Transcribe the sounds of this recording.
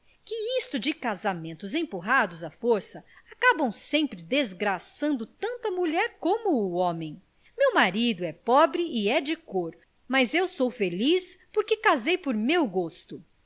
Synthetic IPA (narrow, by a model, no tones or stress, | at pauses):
kɪist̪ʊd͡ʒɪkazamẽnt̪ʊzẽpuɦad̪ʊzɐfoɾsɐakabɐ̃w̃sẽmpɾɪd̪ezɡɾasɐ̃nd̪ʊt̪ɐ̃nt̪ɐmuʎɛɾkõmʊːõmẽj̃ | mewmaɾid̪ʊɛpɔbɾɪːɛd͡ʒɪkoɾ | mɐzewsowfelispoɾkɪkazejpoɾmewɡost̪ʊ